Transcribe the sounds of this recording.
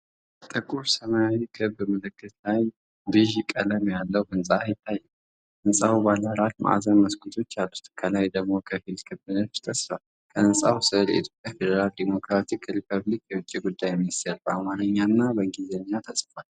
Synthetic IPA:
t̪ʼɨkʼuɾsəmajawikʰɨβmɨlɨkːɨt̪laj | d̪ɨʒɪkʼːələmjalːəwɨnsʼajɪt̪ʰːajːɛw | ʔɨnsʼawbaləɾat̪mʔa̰zənməskʰʼut̪ʰo̞t͡ʃːjalːut̪kʰəlajd̪əɡmo̞kʰəfilkʰɨbːɨnəfɨ̥t̪ʼʰəsfal | kʰəɨnsʼawsɨlə̰it̪ʰjo̞pʼjafed̪əɾald̪emo̞kɾat̪ʰikɾipʰəβlikjɛwʊt͡ʃʼːiɡud̪ːajminist̪ʰeɾbəamanəɲːanːabəŋɡizeɲːat̪ʰəsʼfal

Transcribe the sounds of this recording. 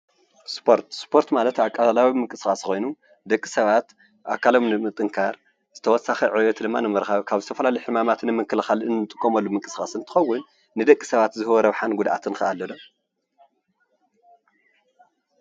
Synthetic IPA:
spʰoɾt̪spʰo̞ɾt̪malɐt̪akʼːalalawimɨŋkʼɨsxʼasxo̞jnu | d̪ɐkʼːisɐβat̪ | ʔa̰kʰalo̞mnɨmɨt̪ʼːɨŋkʰaɾ | z̥ɨt̪ʰɐwɔsaxiʕɨwot̪d̪ɨmːanɨmɨɾxaβkʰaβzɨt̪ʰɐfɐlalɐjuħɨmamat̪nɨmɨkʰːɨlɨxalɨnɨt̪ʼɨ̥kʼːomɐlːumɨŋkʼɨsxʼa̰sɨnt̪ʰɨ̥xɐwːʊnː | ɨd̪ɐkʼːisɐβat̪zɨhɨwɔɾɐβħanɡud̪ʔa̰t̪ʰɨnxɨʔalːɐd̪om

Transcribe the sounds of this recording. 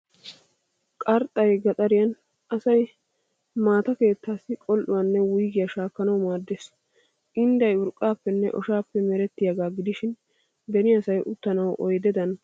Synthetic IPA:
kʼɐɾt̪ʼːɐjɡɐt̪ʼɐɾɪjɐn | ʔɐsɐj | maːt̪ɐke̞ːt̪ːaːsːɪkʼɔlʔʊwɐnːɛwʊjɡɪjɐʃaːkːɐnɐwmaːd̪ːeːs | ʔɪnd̪ɐjʊɾkʼːaːpːɛnːɛ̰ʔɔ̰ʃaːpːɛmɛɾɛt̪ːɪjɐɡaːɡɪd̪ɪʃɪn | b̪ɛnɪɐsɐjʔʊt̪ːɐnɐwʔɔjd̪ɛd̪ɐn

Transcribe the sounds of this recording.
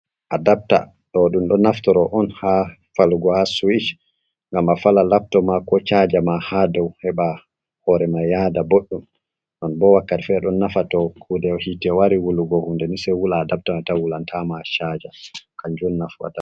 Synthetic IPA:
ʔadap̚ta̰ | ɗɔɗumɗɔnaftɔɾɔʔɔnha | faluɡɔhasuwit͡ʃ | ŋɡamafalalaf̚tɔmakɔt͡ʃad͡ʒamahadɔwhɛɓa | hɔɾɛmajadaboɗːum | ɗɔnbɔwakːatɛfɛɗɔnːafatɔkʰudɛɔhitɛwaɾiwuluɡɔhundɛnisɛwulaːdap̚tamatawulantʰamat͡ʃad͡ʒakaɲd͡ʒunːafwa̰ta

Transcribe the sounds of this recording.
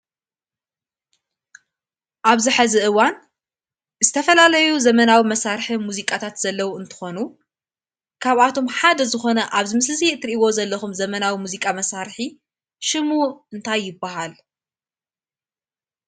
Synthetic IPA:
ʔaβzɨħazɨʔɨwan | zɨt̪ʰɐfɐlalɐjuzɐmɐnawimɐsaɾħimuzikʼat̪ʰat̪z̥ɐlːɐwuɨnt̪ʰɨ̥xo̞nu | kʰaβʔat̪ʰo̞mħad̪ɐzɨxo̞nɐʔaβzɨmɨslɨzit̪ʰɨɾʔiwo̞zɐlːɐxumzɐmɐnawimuzikʼamɐsaɾħi | ʃɨmuɨnt̪ʰajːɪbːaɦal

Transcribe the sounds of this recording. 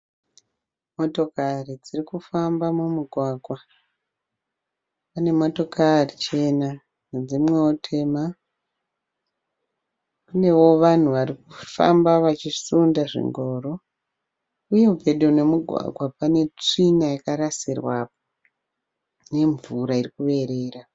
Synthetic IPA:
mo̞to̞karid͡zirikufambamumuɡʱwaːɡʱwa | pane̞mo̞to̞kʰarit͡ʃe̞na | nd͡zimwe̞otʰe̞ma | kune̞wo̞ʋan̤uʋaɾikufa̰mbaʋat͡ʃisundaʐḭŋɡo̞ɾo̞ | ujevʱeɗone̞muɡʱwa̰ɡʱwapane̞t͡ʂinajakaɾasirwa̰po | ne̞ɱvuɾairikuʋe̞ɾe̞ːra

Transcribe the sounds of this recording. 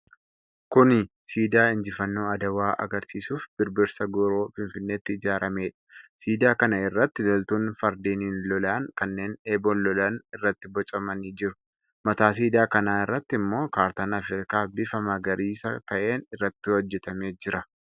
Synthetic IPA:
kʊnɪ | siːd̪aːɪnd͡ʒɪfɐnːo̞ːɐd̪ɐwaːʔɐ̰ɡɐɾsiːsuːfbɪɾbɪɾsɐɡɔɾoːfɪnfɪnːeːt̪ːɪɪd͡ʒaːɾɐme̞ːᶑɐ̥siːd̪aːkɐnɐɪrːɐt̪ːɪlɔlt̪uːnfɐɾd̪iːniːnlɔlaːnkɐnːe̞ːneːbɔnlɔlaːnɪrːɐt̪ːɪbɔt͡ʃʼɐmɐniːd͡ʒɪɾʊ̥ | mɐt̪aːs̬iːd̪aːkɐnaːɪrːɐt̪ːɪmːo̞ːkaːɾt̪ɐnɐfɪɾɪkaːbɪfɐmɐɡɐɾiːsɐt̪ɐʔeːnɪrːɐt̪ːɪwɔd͡ʒːɛt̪ɐme̞ːd͡ʒɪɾɐ

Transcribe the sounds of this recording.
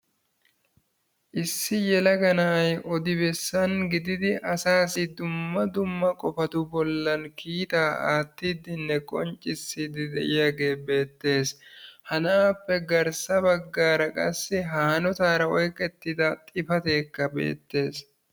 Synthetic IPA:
ʔɪsːɪjɛlɐɡɐnɐʔɐjɔd̪ɪbɛsːɐnɡɪd̪ɪd̪ɪʔɐsaːsɪd̪ʊmːɐd̪ʊmːɐkʼɔfɐt̪ʊbɔlːɐnkʰiːt̪aːa̰ːt̪ːiːd̪ɪnːɛkʼɔnt͡ʃʼːɪsːɪd̪ɪd̪ɛʔɪjaːɡe̞ːbe̞ːt̪ːe̞ːshɐnaːpːɛɡɐɾsɐbɐɡːaːɾɐkʼɐ̰sːɪɦaːnɔt̪aːɾɐɔjkʼɛt̪ːɪd̪ɐt̪ʼɪfɐt̪e̞ːkːɐbḛːt̪ːe̞ːs

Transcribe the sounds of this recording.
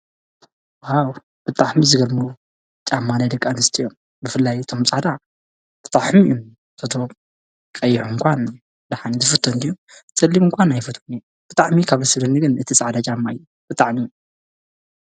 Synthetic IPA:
aw | b̥ɨt̪ʼaħmizɨɡɐlmu | t͡ʃʼamːanajd̪ɐkʼːanɨst̪ʰijom | bɨfɨlːajɨt̪ʰo̞mt͡sʼaʕd̪a | b̥ɨt̪ʼaħmijom | t̪ʰot̪ʰo | kʼɐjːɪħuɨŋkʷʰan | d̪aħanizɨfɨt̪ʰːond̪iju | sɐlːimɨŋkʷʰanajfɨt̪ʰoniju | b̥ɨt̪ʼaʕmikʰaβzɨsɐd̪ɐnːiɡɨnɨt̪ʰisʼaʕd̪at͡ʃʼamːaɨjːu | b̥ɨt̪ʼaʕmi

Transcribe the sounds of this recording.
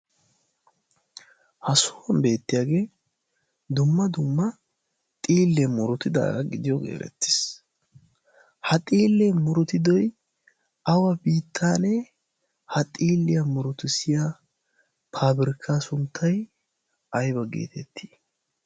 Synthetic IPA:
hɐsʊwɐmbe̞ːt̪ːɪjaːɡe̞ː | d̪ʊmːɐd̪ʊmːɐ | t̪ʼiːlːɛmʊɾʊt̪ɪd̪a̰ːɡɐɡɪd̪ɪjɔɡḛːɾɛ̰t̪ːɪ̥s | hɐt̪ʼiːlːɛmʊɾʊt̪ɪd̪ɔj | ɐwɐbiːt̪ʰːaːnɛ | hɐt̪ʼiːlːɪjɐmʊɾʊt̪ɪsɪja | pʰaːbɪɾɪkʰːasʊnt̪ʰːɐj | ɐjbɐɡḛːt̪ʰɛt̪ʰːi̥

